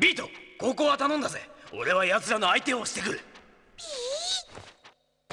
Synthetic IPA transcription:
bʲiːt̪o̞ko̞ːko̞ːβat̪anõnd̪aze̞o̞̰ɾe̞βaijazɨɾano̞ait̪ẽ̞oɕi̥t̪ekɯ̟ɾɯ̟

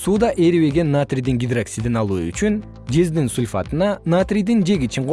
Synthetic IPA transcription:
suːd̪ɑʔeɾiβe̞ɡe̞nːat̪rʲijd̪iŋɡʲid̪raksʲid̪inɑlˠṵːy̰t͡ʃyn | d͡ʒe̞zd̪insulʲfa̰t̪ɯnɑnat̪rʲijd̪ind͡ʒe̞ɡit͡ʃiɴqʰo

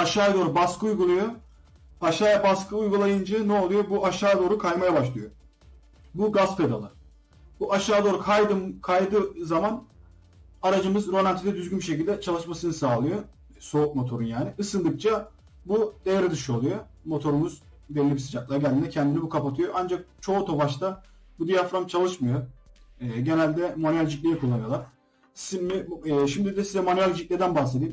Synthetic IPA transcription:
aʃaːjad̪o̞ːɾubaskʰɯujɡulˠujo | aʃaːjabaskʰɯujɡulˠajɯnd͡ʒɯnɛo̞lˠujobuaʃaːd̪o̞ːɾukʰajmajabaʃlˠɯjo | buɡaspʰe̞d̪a̰lˠɯ | buʔaʃaːd̪o̞ːɾukʰajd̪ɯmkʰajd̪ɯːzaman | aɾad͡ʒɯmɯzɾo̞mʲant̪ʰid̪ɛd̪yzɡynbiʃecilʲd̪ɛt͡ʃʰalˠɯʃmasɯnɯsaːlˠɯjo | so̞uk̚mo̞t̪ʰo̞ɾunjaːniɯsɯnd̪ˠɯk̚t͡ʃʰa | bud̪ejaɾɯd̪ɯʃɯo̞lˠujo | mo̞t̪ʰo̞ɾumuz | bɛlʲːibisid͡ʒak̚lˠaɾɟɛnd̪inɛcʰɛnd̪inibukʰapat̪ʰɯjoʔand͡ʒak̚t͡ʃʰo̞ut̪ʰo̞vaʃt̪ʰa | bud̪ijafɾamt͡ʃʰalˠɯʃmɯjoɛːɟe̞nælʲd̪ɛmonyjalʲd͡ʒic̪lʲejɛkʰulˠːanɯjo̞lˠaɾ̥ | simːiːʃimd̪id̪ɛsizɛmonyjalʲd͡ʒic̪ʲlʲɛd̪ænbaxse̞d̪iːm

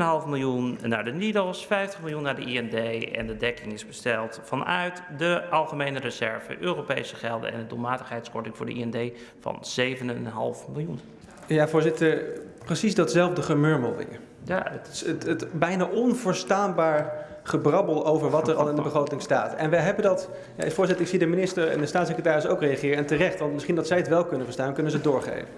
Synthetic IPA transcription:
nɦɑlˠfmɪlˠjunnaːɹdənidəlˠsfɛjftəχmɪlˠjunːaːdəiɛndejɛ̰ndədɛkɪŋɪzbəstɛlˠtfɑnœ̰ɥtdəʔɑlˠχəmejnərəzɛɹvə̰ʔøːropḛjsəχɛlˠdə̰nɛ̰ndədulˠmaːtəχɦɛjtskɔɹtɪŋvʊːɹdə̰ḭɛndej | fɑ̰nz̥ejvənənɦɑ̰lˠfmɪlˠjun | javʊːɹzɪtəɹ | prəsizdɑtsɛlˠvdəχəmøɹməlˠʋɪ̰ɹ | jaɪətətbɛjnaːʔɔnvʊːɹstaːnbaːɹ | χəbrɑbəlˠowvəɹʋɑtɛɹɑ̰lˠɪndəbəχrowtɪŋsta̰ːtɛnʋəjɦɛbəndɑt | ja̰fʊːɹzɪtəɹɪksidəminɪstəɹɛ̰ndəstaːtsekrətaːɾɪso̰wkrejaχɪːɾəɛntərɛχtʋɑntmɪsχindɑtsɛjətʋɛlˠkɵnənvəɹstaːnkɵnənzədʊːɹχḛjvən

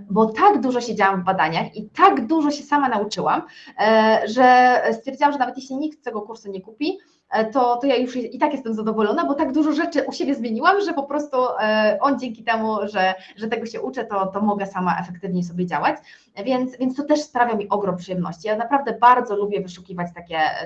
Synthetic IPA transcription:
bɔt̪aɡd̪uʐɔɕɛd͡ʑawaɱvbad̪aɲaxit̪aɡd̪uʐɔɕɛsamanaut͡ʂɘwa̰m | ʐɛst̪fʲjɛɾd͡ʑawamʐɛnavɛt̪jɛɕlʲiɲik̚t̪ːɛɡɔkuɾsuɲɛkupʲi | t̪ɔt̪ɔjajuʂɛit̪akjɛst̪ɛmzad̪ɔvɔlɔnabɔt̪aɡd̪uʐɔʐɛt͡ʂɘʔuɕebʲjɛzmʲjeɲiwamʐɛpɔpɾɔst̪uʔɔnd͡ʑɛŋkʲit̪ɛmuʐɛ | ʐɛt̪ɛɡɔɕɛʔut͡ʂɛt̪ɔt̪ɔmɔɡɛsama̰ʔɛ̰fɛkt̪ɘvɲɛsɔbʲjɛd͡ʑa̰wat͡ɕ | vʲjɛnt̪svʲjɛnt̪st̪ɔt̪ɛʂspɾavʲjamʲiʔɔɡɾɔmpʂɨjɛmnɔ̰ɕt͡ɕijanapɾavd̪ɛbaɾd̪zɔlubʲjɛvɘʂukʲivat͡ɕt̪akʲɛ

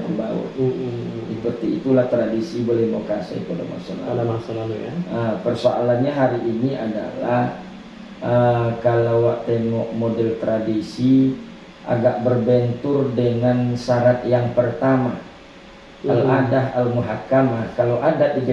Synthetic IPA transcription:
əbawa̰ | sipərt̪iːt̪ulaht̪ɾadisibolɛhmawkasa̰ḭt̪uada̰ma̰sa̰la̰aasaaəpərsoʔa̰lanɲaɦaɾiʔiniʔa̰da̰lah | ʔəkalawaʔt̪eŋɔk̚modɛlt̪ɾadisi | ʔa̰ɡaʔ̚bərbɛnt̪ʊrdəŋansaɾat̪jaŋpərt̪ama | aladaɦalmuɦakamahkalawʔadaʔ̪id

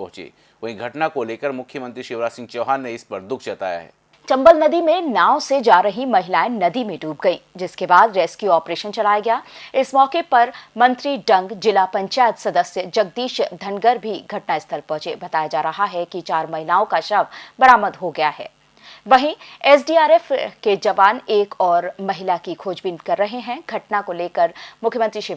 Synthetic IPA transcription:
pɐ̃ɦʊ̃t͡ʃḛː | ʋɐɦĩɡʱɐʈnakoleːkəɾmʊkʰjəmə̃nt̪ɾiʃɪʋɾaːsɪ̃ŋɡt͡ʃoːɦaːnːeɪspɐɾd̪ʊkʰt͡ʃɐt̪a̰ːja̰ɦɛ̰ː | t͡ʃɐ̃mbəlnɐd̪imẽnaːʊsed͡ʒaːɾəɦimɐɦɪlaːenɐd̪imẽɖuːp̚ɡɐĩːd͡ʒɪskebaːd̪ɾeːskjuɔːpɾeːʃənt͡ʃɐlaːjaɡɐjaːɪsmɔːkepɐɾmɐ̃nt̪ɾiɖɐ̃ŋɡd͡ʒɪlapɐ̃ɲt͡ʃaːjət̪sɐd̪əsjəd͡ʒɐɡ̚d̪iːʃd̪ʱɐnɡəɾbʱiɡʱɐʈnaɪst̪ʰəlpɔ̃ɦʊ̃t͡ʃeːbɐt̪aːjad͡ʒaːɾɐɦaɦɛkit͡ʃaːɾmɐɦɪlaːõkaʃɐʋbɐɾaːməd̪ɦoɡɐjaɦɛ̰ː | ʋɐɦĩɛːs̬ɖiːaːɾeːfked͡ʒɐʋaːneːkɔːɾmɐɦɪlakikʰoːd͡ʒbinkɐɾːɐɦeɦɛ̃ɡʱɐʈnakoleːkəɾmʊkʰjəmɐ̃t̪ɾiʃɪ

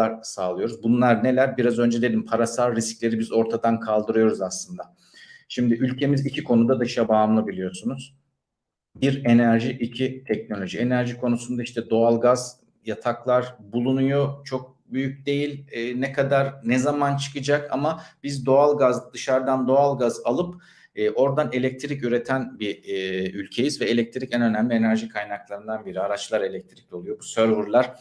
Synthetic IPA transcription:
aɾsaːlˠɯjo̞ɾuzbunlˠaɾne̞lʲæɾbiɾazø̞nd͡ʒɛd̪e̞d̪impʰaɾasaɾːisclʲe̞ɾibizo̞ɾt̪ʰad̪ankʰalˠd̪ɯɾɯjo̞ɾuzaslˠɯnd̪a | ʃimd̪ɪʔylʲcʰe̞mizicʰikʰo̞nud̪ad̪ɯʃabamlˠɯbilʲijo̞sunuz̥ | biɾe̞næɾʒiʔicʰit̪ʰɛc̚no̞lʲo̞ʒie̞næɾʒikʰo̞nusund̪aiʃt̪ʰɛd̪o̞alˠɡaz | jat̪ʰaklˠaɾbulˠunujot͡ʃʰo̞k̚ | byjyc̚ʲd̪e̞jilʲːnɛkʰad̪aɾnɛzamant͡ʃʰɯ̥kɯd͡ʒaka̰mabizd̪o̞alˠɡazd̪ɯʃaɾd̪and̪o̞alˠɡazalˠɯpː | ʔo̞ɾd̪ane̞lʲɛc̚t̪ʰiɾicyɾe̞t̪ʰænbiylʲcʰe̞jizvɛelʲɛc̚t̪ʰiɾicænø̞næmlʲie̞næɾʒikʰajnaklˠaɾɯnd̪anbiɾiaɾat͡ʃlˠaɾe̞lʲɛc̚t̪ʰiɾi̥clʲolˠujo̞busøɾvuɾlˠaɾ̥

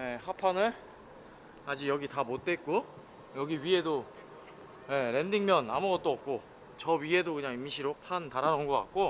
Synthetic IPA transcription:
jehapʰanɯɭ | ad͡ʑijʌɡitamot̚t͈et̚k͈o | jʌɡiɥie̞do | je̞ɾe̞ndiŋmjʌna̰muɡʌt̚t͈oʌp̚k͈o | t͡ɕʌɥie̞dokɯɲaŋimiɕʰiɾopʰantaɾanʌŋɡoka̰k̚k͈o

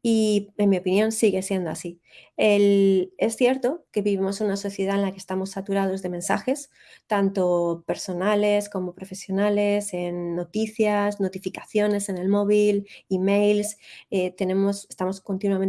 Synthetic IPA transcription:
ie̞nmio̞pinjõ̞nsiɣ̞e̞sje̞nd̪oasi | ele̞sθje̞ɾt̪o̞ke̞βiβimo̞snunaso̞θje̞ð̞aenlakest̪amo̞sːat̪uɾað̞o̞zðe̞mẽ̞nsa̰xe̞s | t̪ant̪o̞pe̞ɾso̞nale̞sko̞mo̞pɾo̞fe̞sjo̞nale̞se̞nːo̞t̪iθjazno̞t̪ifikaθjo̞ne̞se̞ne̞lmo̞βilime̞jlset̪e̞nẽ̞mo̞sest̪amo̞skont̪inwamen

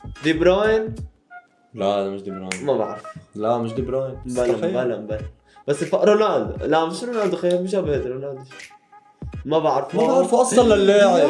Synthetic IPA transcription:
d̪ibɾɑːjn | laad̪amɪʃd̪ibɾɑmabaʕɾflamɪʃ̬d̪ibɾɑːjnbalaabalambala | b̥asːɪfaʔɾˤonald̪lamɪʃɾonald̪uxajːamɪʃabed̪ɾonad̪ | mabaʕɾfmaaʕɾfuʔɑsˤːɑlːalːeːʕ

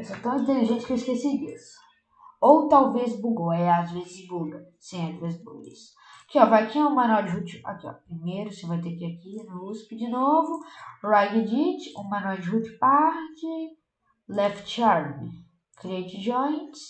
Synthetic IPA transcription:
esõt̪ɐ̃w̃ĩt̪eliʒẽnt͡ʃɪ̥keiskesiɾis | owt̪awvezbuɡoɛazvezɪzbuɡɐ | sẽẽt̪ɾezbṵɡḭs | kɪɔvajakiɛ̃ũmɐ̃nawd͡ʒɪɦut͡ʃɪa̰kiɔ̰pɾimejɾʊsewvajt̪ekiakinʊuspɪd͡ʒɪnovʊɾajɡɪd͡ʒit͡ʃũmɐ̃nɔd͡ʒɪɦut͡ʃɪ̥paɾd͡ʒɪ | lɛft͡ʃaɾmi | kɾiet͡ʃɪd͡ʒɔ̃j̃t͡ʃs

